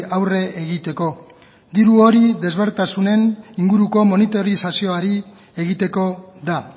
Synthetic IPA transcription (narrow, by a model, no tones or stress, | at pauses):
awre̞ʔeɣit̪e̞ko̞ | d̪iɾuo̞ɾiðe̞zβe̞ɾt̪asune̞niŋɡuɾuko̞mo̞nit̪o̞ɾisasio̞aɾi | eɣit̪e̞ko̞ða